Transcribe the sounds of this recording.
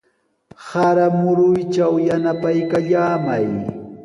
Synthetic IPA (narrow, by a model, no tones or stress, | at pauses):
saɾamʊɾʊjt͡ʃawjanapajkaʎaːmaj